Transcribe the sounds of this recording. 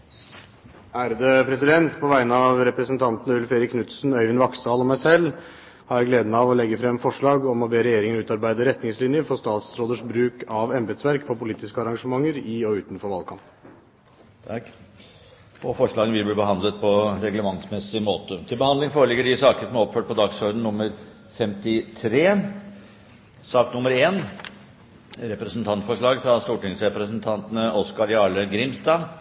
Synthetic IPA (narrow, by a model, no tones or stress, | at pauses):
æːɾd̪əpʰɾɛsɪd̪ɛnt̪pʰɔʋæɪnəɑʋɾɛpɾəsənt̪ʰɑnt̪n̩ʉlfeːɾɪkʰːnʉt̪snœʏʋɪnʋɑksd̪ɑːlɔmæɪsɛlː | hɑɾjæɡleːd̪ənəɑʋɔlɛɡːəfɾɛmfɔʂɭɑːɡɔmɔbeːɾɛjeːɾɪŋənʉːt̪ɑɾbæɪd̪əɾɛt̪nɪŋslɪnjəfɔʂt̪ɑːt̪sɾoːd̪əʂbɾʉːkɑʋɛmbɛd̪sʋæɾkpʰɔpʊliːt̪ɪskəɑɾɑŋʂəmɑŋːəɾɪɔʉːt̪nfɔɾʋɑlkʰɑmpnʰ | pʰɔfɔʂɭɑːɡənʋɪlbliːbəɦɑnd̪lət̪̚pʰɔɾɛɡləmɑŋsmɛsɪmoːt̪ət̪ʰɪlbəhɑnd̪lɪŋfoːɾəlɪɡːəɖɪsɑːkənəsɔmæɾɔpføːʈ̚pɔd̪ɑɡsɔɾd̪n̩nʊmːəɾ | fɛmt̪ɪt̪ʰɾeː | sɑːknʊmːəɾeːn | ɾɛpɾɛsənt̪ʰɑnt̪fɔʂɭɑːɡfɾɑst̪uːʈɪŋsɾɛpɾəsənt̪ʰɑnt̪ənəʔɔskɑɾjɑːɭəɡɾɪmst̪ɑː